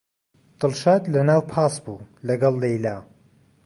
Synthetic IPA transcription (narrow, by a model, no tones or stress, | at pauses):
d̪̥ɨlʃaːd̪lɐnaːwpʰaːsbulɐɡɐlˠːejlaː